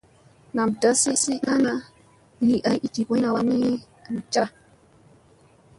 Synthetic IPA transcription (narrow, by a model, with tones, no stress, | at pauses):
na˨mda˦si˦si˦na˦na˦ | li˨ʔa˨˦jʔi˨ti˨ko˦na˨wa˨mi˦˨ | m˨t͡ʃa˦